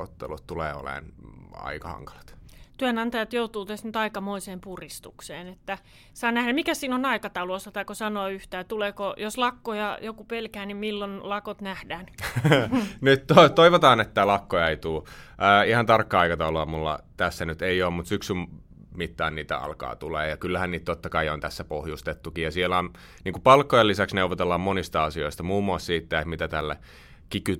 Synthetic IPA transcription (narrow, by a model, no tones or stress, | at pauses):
ot̪ːḛlut̪t̪ulḛːo̰lḛˑnɑ̰ikɑhɑ̰ŋkɑ̥lɑ̥t̪t̪yænɑnt̪ɑjɑt̪jout̪uːt̪æst̪nyt̪ɑikɑmoiseːmpurist̪ukseːnet̪ːæ | sɑːnæhdæmmikæssiːnonɑikɑt̪ɑulosːɑt̪ɑikosɑnoːyht̪æːt̪uleːkojoslɑkːojɑjokupelkæːnimmilːonlɑkot̪næhdæːn | nyt̪t̪ot̪oiʋot̪ɑːnet̪ːælɑkːoɑit̪uːʔəːihɑnt̪ɑrkːɑɑikɑt̪ɑuloɑmulːɑ̰t̪æsːænyt̪eioːmmut̪syksym | mit̪ːɑːnniːt̪æ̰ɑ̰lkɑ̰ːt̪uleːjɑkylːæhænniːt̪t̪ot̪ːɑkɑiont̪æsːæpohjust̪et̪ːukijjɑsielæon | niːŋkupɑlkːojelːisæksneuʋˑot̪elːɑmmonist̪ɑɑsioist̪ɑmuːmːuɑssiːt̪ːæekmit̪æt̪ælːæ̰ | kiky